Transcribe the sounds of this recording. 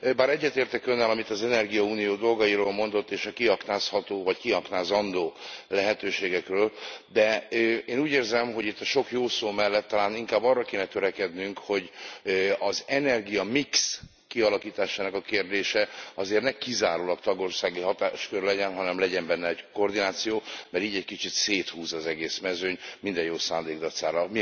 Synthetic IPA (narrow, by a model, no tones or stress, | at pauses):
baːɾɛɟːɛt̪eːrt̪ɛkønːɛlɒmit̪ɒzɛnɛrɡijɒuːnijoːd̪o̞lɡɒjiɾoːlmo̞nd̪o̞t̪ːeːʃɒkiɦɒknaːshɒt̪oːvɒckiɦɒknaːzɒnd̪oːlɛɦɛt̪øːʃeːɡɛkrøːld̪ɛeːnuːɟeːrzɛmɦo̞ɟit̪ːɒʃo̞kjoːsoːmɛlːɛt̪ːɒlaːniŋkaːbːɒrːɒkeːnɛt̪øɾɛkɛd̪nyŋkho̞ɟ | ɒzɛnɛrɡijɒmiks | kiɒlɒkiːt̪aːʃaːnɒkɒkeːrd̪eːʃɛɒzeːrt̪nɛkizaːɾuːlɒkt̪ɒɡo̞rsaːɡiɦɒt̪aːʃkørlɛɟɛnɦɒnɛmlɛɟɛmbɛnːɛɛɟko̞rd̪inaːt̪sijoːmɛɾiːɟɛckit͡ʃit̪seːt̪huːzɒzɛɡeːsmɛzøɲmind̪ɛjjoːsaːnd̪eːɡd̪ɒt̪saːɾɒmi